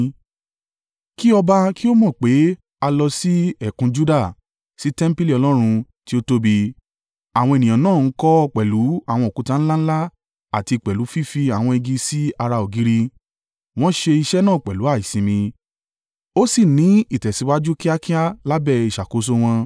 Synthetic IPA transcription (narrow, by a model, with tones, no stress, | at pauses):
ki˦ɔ˧ba˧ki˦o˦mɔ̃˦˨k͡pe˨˦ | a˧lɔ˧si˦ɛ˦˨kũ˧d͡ʒu˦da˦˨ | si˨˦tɛ̃˦m̩˦pi˦li˦˨ɔ˧lɔ˦ɾ̃ũ˧ | ti˦o˦to˦bi˧ | a˨w̃ɔ̃˧e˨nĩ˨ã˨nãː˦˨n̩˦kɔ˦ɔ˧k͡pɛ˨lu˨˦a˦˨w̃ɔ̃˧˨o˨ku˨˦tã˦˧ñ̩˦la˦n̩˦la˦ | a˨ti˧˨k͡pɛ˨lu˨˦fi˦fi˧a˨w̃ɔ̃˧i˧ɡi˧si˦a˧ɾa˧o˨ɡi˨˦ɾi˦ | w̃ɔ̃˦ʃe˧i˧ʃɛ˦nãː˦˨k͡pɛ˨lu˨˦a˦˨i˨sĩ˧mĩ˧ | o˦si˦˨nĩ˨˦i˦˨tɛ˨si˨˧˦wa˦d͡ʒu˦ki˦a˦ki˦a˦la˦bɛ˦˨i˨ʃa˨ko˨˦s̬o˦w̃ɔ̃˧